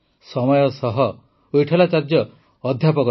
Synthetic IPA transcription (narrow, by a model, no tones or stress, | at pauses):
sɔmɔjɔsɔɦɔ | ojʈʰalat͡ʃaɾd͡ʒjɔː | d̪ʱjapɔkɔ